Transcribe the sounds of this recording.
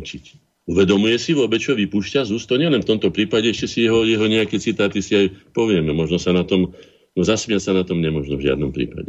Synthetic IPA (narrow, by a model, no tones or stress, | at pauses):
t͡ʃic | uʋɛd̪ɔmujɛsiʋʊɔbɛt͡ʃɔʋipuʃcazuːst̪ɔɲɛlɛnft̪ɔmt̪ɔpɾiːpaɟɛɛʃcɛsiɛɦɔʋɔɾiɦɔɲɛakɛt͡sit̪aːt̪isiajpɔʋɪɛmɛmɔʒnɔsanat̪ɔm | nɔzasmɪasanat̪ɔmɲɛmɔʒnɔvʒɪa̰d̪̚nɔmpɾḭːpa̰ɟɛ